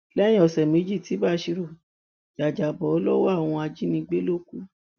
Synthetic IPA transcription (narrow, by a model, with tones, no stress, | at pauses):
lɛ̃˦ĩ˦ɔ˨sɛ˨me˨˦d͡ʒi˦˨ti˨˦ba˦ʃi˧ɾo˦˨ | d͡ʒa˨d͡ʒa˨bɔ˨ɔ˨˧˦lɔ˦wɔ˦a˦˨w̃ɔ̃˧a˧d͡ʒi˦nĩ˧ɡ͡be˦lo˦ku˦